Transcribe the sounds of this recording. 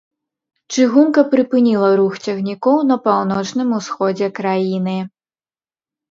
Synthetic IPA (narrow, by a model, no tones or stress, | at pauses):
t͡ʂɨɣumkɐpɾɨpɨnʲilˠɐɾuxt͡sʲɐɣnʲikɔwnɐpawnɔt͡ʂnɨmusxɔd͡zʲɛkɾajinɨ